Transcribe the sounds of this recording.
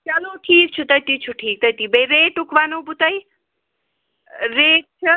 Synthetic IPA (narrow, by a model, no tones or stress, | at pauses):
t͡ʃɐloʈʰiːk̚t͡sʰut̪ʌjt̪it͡sʰuʈʰiːk̚t̪ʌjt̪ibeɾeʈukʰbanobut̪ʌj | ɾek̚t͡sʰʌ